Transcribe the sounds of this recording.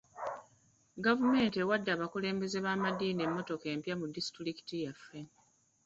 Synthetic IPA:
ɡavume̞ːntewadːaːβakule̞ːmbe̞ze̞βaːmadiːne̞mːo̞to̞ke̞ːmpjamudːistɾiki̥tijafːe

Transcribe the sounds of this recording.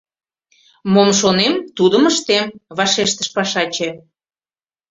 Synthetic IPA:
momʃonemt̪ud̪əməʃt̪emβɑʃeʃt̪əʃpɑʃɑt͡ɕe

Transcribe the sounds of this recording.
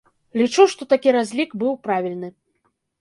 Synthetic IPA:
lʲit͡ʂuʂt̪ɔt̪akʲiɾazʲlʲikbɨwpɾavʲilʲnɨ

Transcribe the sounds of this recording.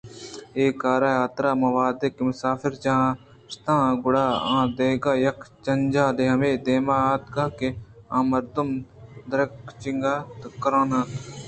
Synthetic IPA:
eːkaːɾaːjaːt̪ɾaːmɐʋaːd̪ekemʊsaːfɪɾd͡ʒɐɦãː | st̪ãːɡʊɽaːã̰ːd̪eːɡaːjɐkʰt͡ʃɐnd͡ʒaːleɦɐmeːd̪eːmaːt̪kakeãːmɐɾd̪umd̪ɐɾɐkt͡ʃɪŋɡaːt̪kɐɾãːnãːt̪

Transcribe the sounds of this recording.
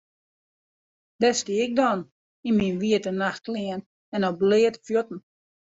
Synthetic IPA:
d̥ɛstiɪk̚dɔn | inminʋiətənaxt̚klɪən | ɛnɔblɪətfjotn̩

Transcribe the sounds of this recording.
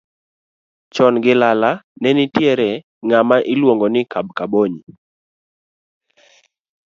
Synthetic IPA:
t͡ʃɔnɡɪlalanɛnɪtjɛɾɛ | ŋamaʔɪlwoŋɡɔnɪkab̚kaboɲi

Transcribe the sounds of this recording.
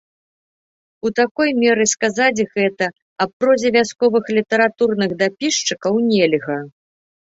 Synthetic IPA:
ut̪akɔjmʲɛɾɨskazad͡zʲɣɛt̪ɐ | ɐpːɾɔzʲɛvʲaskɔvɨxlʲit̪ɐɾat̪urnɨɣd̪apʲiʂt͡ʂɨkɐwnʲɛlʲɣɐ

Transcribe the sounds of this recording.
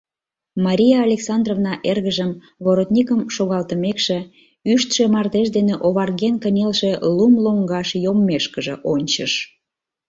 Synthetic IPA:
mɑɾʲijɑːlʲeksɑnd̪rovnɑʔerɣəʒəm | βoɾot̪nʲikəmʃoɣɑlt̪əmekʃe | yʃt̪ʃemɑrt̪eʃd̪eneʔoβɑrɣenkənʲelʃelumloŋɡɑʃjomːeʃkəʒeʔonʲt͡ɕəʃ

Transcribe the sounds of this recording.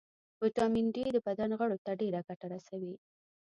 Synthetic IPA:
wəʈɑmɪnɖid̪əbad̪anɣəɽot̪aɖeɾakaʈaɾasawi

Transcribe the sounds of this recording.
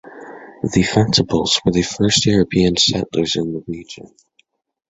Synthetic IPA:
ðɨfæktəbl̩ˠz̥wə˞ðɨfɜ˞st̚jʊɹɨpʰiɨ̃nsɛ̰̃nʔlə˞zɨ̃nðəɹid͡ʒɨ̰̃n

